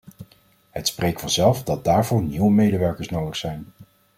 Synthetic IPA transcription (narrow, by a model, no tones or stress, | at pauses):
ɦətsprejktfɑnzɛlˠvdɑd̚daːɹvʊnniwəmejdəʋɛɹkəɹsnowdəχsɛjn